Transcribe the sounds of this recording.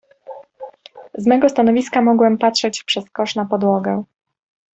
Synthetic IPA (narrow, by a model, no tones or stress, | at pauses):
zmɛɡɔst̪anɔvʲiskamɔɡwɛmpatʂɛt͡ɕpʂɛskɔʂnapɔd̪wɔɡɛ